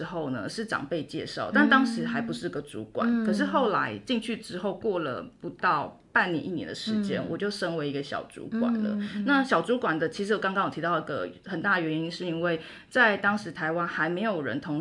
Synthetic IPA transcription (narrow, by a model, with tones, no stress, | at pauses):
xo˥˩ʊnə˨ʂɻ̩˥˩ʈ͡ʂɑ̰˨˩ŋpe˥˧ɪt͡ɕjɛ̰˥˧ʂɑ˥˩ʊt̪a˥˩nt̪ɑ˥ŋʂɻ̩˧˥xa˧˥ɪpu˧˥ʂɻ̩˥˩i˧˥ɡə˨t͡sṵ˧˥kwa̰˨˩˦nkʰɤ˨˩ʂ̬ɻ̩˥˧xo˥˩ʊla̰˧˥ɪt͡ɕi˥˧ŋt͡ɕʰy˥˩ʈ͡ʂɻ̩˥xo˥˧ʊkwɔ˥˩lə̰˩pu˧˥t̪ɑ˥˩ʊ | pa˥˩nnjɛ̰˧˥nʔi˥˩njɛ̰˧nd̪ə˧ʂɻ̩˧˦t͡ɕjɛ˥nwʔɔ̰˨˩t͡ɕjo˥˩ʊʂə˥nwe˧ɪi˧˥ɡə˧ɕjɑ̰˨˩ʊt͡sṵ˧˥kwa̰˨˩nlə̰˦na˥˨ɕjɑ˨˩ʊt͡su˧˥kwa˨˩nd̪ə˦t͡ɕʰi˧˥ʂɻ̩˧˥wɔ˨˩kɑ˥ŋkɑ˥ŋjt̪ʰi˧t̪ɑ˥˩ʊi˧˥ɡə̰˧˨xə˨˩nt̪a˥˩d̪ə˩ɥɛ˧ni˥nʂɻ̩˥˩i˥nwe˥˩ɪ | t͡sa˥˩ɪt̪ɑ˥ŋʂɻ̩˧˥t̪ʰa˧˥ɪwa˥nxa˧˥ɪme˧˥ɪjo˨˩ʊɻə̰˧˦nt̪ʰo˧˥ŋ